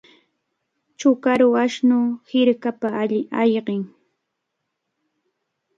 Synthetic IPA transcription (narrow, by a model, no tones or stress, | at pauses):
t͡ʃʊkaɾʊaʃnʊhɪɾkapaajɢɪŋ